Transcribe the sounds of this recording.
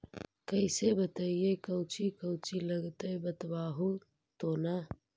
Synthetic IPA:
kəɪsebət̪aːijekəwt͡ʃikəwt͡ʃiləɡt̪əjbət̪baːɦu | t̪ona

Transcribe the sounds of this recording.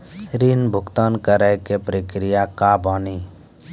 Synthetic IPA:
ɾinbʱʊkt̪aːnkəɾəjkepɾəkɾijakabɔni

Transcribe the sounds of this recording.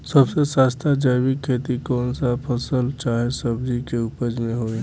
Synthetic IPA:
səbsesaːst̪ʰad͡ʒəjbɪkʰːeːt̪ikɔːnsapʰəsəlt͡ʃaːɦesəbd͡ʒikeupəd͡ʒmẽɦoːiː

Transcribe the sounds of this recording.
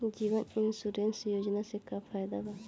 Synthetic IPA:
d͡ʒibaninsuɾensjod͡ʒnasɛkʰapʰajd̪aba

